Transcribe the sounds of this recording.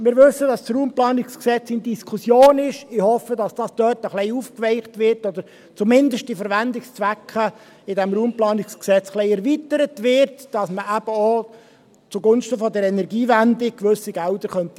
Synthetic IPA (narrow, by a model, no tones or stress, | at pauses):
mɪːɾʋʏsːəd̥ɑssruːmplɑːnɪksksɛt͡sɪndiskʰusjoːnɪʃɪhɔfədɑsd̥ɑsd̥œːtəχlɛɪufkʋɛɪχtʋɪɾtɔd̪əɾ | t͡sumɪndəʃt̚d̥ifəɾʋændɪkst͡svækχə | ɪdɛmɾuːmplɑːnɪksksɛt͡sχlɛɪɛɾvit̪əɾətʋɪɾtd̥ɑsməʔæb̥əo | t͡suɡʊnʃtəfɔdəɾɛnɛɾɡiːvændɪkʋɵsiɡ̥ældəχœnt̪i